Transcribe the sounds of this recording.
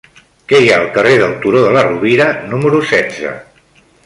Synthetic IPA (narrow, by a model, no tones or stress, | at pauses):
kɛjaəlˠkəreðəlˠt̪uɾoðələruβiɾənuməɾusɛdd͡zə̰